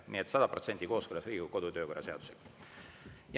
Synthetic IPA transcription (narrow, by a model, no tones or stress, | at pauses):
nḭet̪sɑd̪̥ɑpro̞t̪se̞nʲd̪̥iko̞ːskølːɑsriːɡ̥uko̞d̪̥ut̪ø̞ːko̞rɑse̞ɑ̰d̪u̥sḛ̥ | j